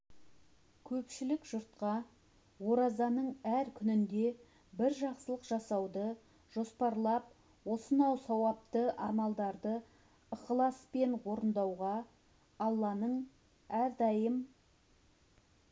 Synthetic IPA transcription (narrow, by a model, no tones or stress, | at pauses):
kʲʰɵpʃɪlɪkʒʊɾt̪̚qɑ | wo̞ɾɑzɑnəɴæɾkʲʰʏnɪnd̪e̞ | bɪɾʒɑqsəlˠəqʒ̥ɑsɑwd̪ə | ʒ̥o̞spɑɾlˠɑp̚ | wo̞sənɑwsɑwɑp̚t̪əʔɑmɑlˠd̪ɑɾd̪ə | əqəlˠɑspe̞ɴwo̞ɾənd̪ɑwʁɑ | ɑlˠːɑnəɴ | æɾd̪ɑjəm